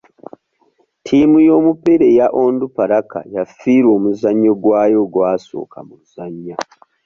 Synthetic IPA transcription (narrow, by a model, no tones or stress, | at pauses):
tʰiːmujo̞ːmupe̞ɾe̞jaʔo̞ːndupaɾaka̰jafiːɾwo̞ːmuzaɲːo̞ɡwaːjo̞ɡwaːso̞̰ːkʰa̰muz̥aɲːa